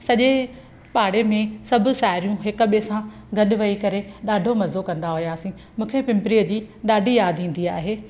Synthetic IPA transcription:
sɐʄe | paːɽemẽsɐbʱʊ̆ʃaːɦɪɾijũɦɪkʊ̆ɓesã | ɡɐɗʊʋɐikɐɾeɗaːɖʱomɐzokɐ̃nd̪aɦʊjaːsĩ | mũːkʰepɪ̃mpɾiːəd͡ʑiːɗaːɖʱijaːd̪ʱĩːn̆d̪iaːɦeː

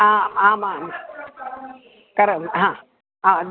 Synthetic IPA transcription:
aaːmaːm | kəɾəmɦã | ad̪

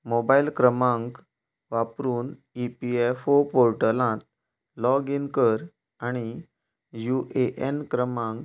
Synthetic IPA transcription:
mobailkɾəmãŋk | ʋapɾuːn | ipiefopoɾʈəlãt̪ | lɔɡinkəɾ | aɽ̃i | juʔeʔenkɾəmãŋk

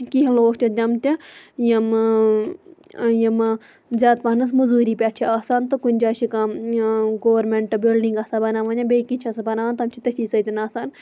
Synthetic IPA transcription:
kiɦloːkʰt͡ʃʲɐd̪ʲɐmt̪ʲijɐm | jɐm | zʲaːt̪pɐnɐs̬mɐzuːɾiːpʲaʈt͡ʃʰiaːsaːnt̪ɨkunʲd͡ʒaːʃika | ɡoːʋɐɾmeɳʈɨbilɖiŋɡɐsabɐnaːʋɐnʲɐbʲekit͡ʃʰɐsabɐnaːɐnt̪ɐmt͡ʃʰit̪ɐtʰʲiːsɐt̪ʲinaːsaːn

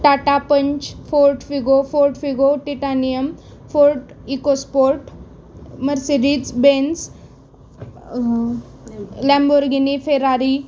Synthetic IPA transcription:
ʈaʈapəɲt͡ɕfoɾʈfiɡofoɾʈfiɡoʈiʈanijəmfoɾʈikospoɾʈ | məɾseɾid͡zbens | lɛ̃mboɾɡinifeɾaɾi

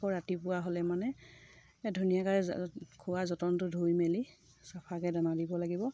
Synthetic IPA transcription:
kɔɹatipʊwaɦolɛmanɛ | dʱunijakaɹɛkʰʊwazɔtɔntʊdʱujmeli | sapʰakɛdanadibɔlaɡibɔ

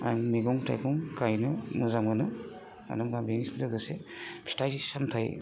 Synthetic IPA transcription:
a̰jŋmiɡɔŋtʰa̰jkɔŋkajnɯmɯzamɡɯnɯ | a̰dɯmɡabinislɯɡɯsepʰi̥tajsamtʰaj

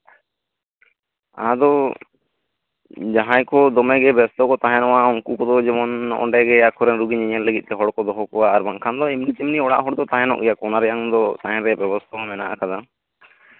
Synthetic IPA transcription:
a̰d̪ɔ | d͡ʒaɦãjkɔd̪ɔmɛɡɛbɛst̪ʰɔkɔt̪aɦɛnɔwauŋkukɔd̪ɔd͡ʒɛmɔnɔ̰ɳɖɛɡɛakʰɔɾɛnɾuɡiɲiɲɛlləɡit̪̚ˀt̪ɛɦɔɽkɔd̪ɔɦɔkɔwaːɾbaŋkʰand̪ɔimnit͡ʃimniɔɽa̰ʔɦɔɽd̪ɔt̪ãɦɛnɔ̰ʔɡɛjakɔnaɾɛjaŋd̪ɔsaɦɛ̃ɾɛbɛbɔst̪ʰaɔmɛnaʔa̰kad̪a

